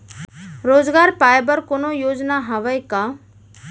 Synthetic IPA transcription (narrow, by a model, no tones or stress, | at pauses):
ɾoːd͡ʒɡaːɾpaːjebəɾkoːnojoːd͡ʒnaɦəʋəjka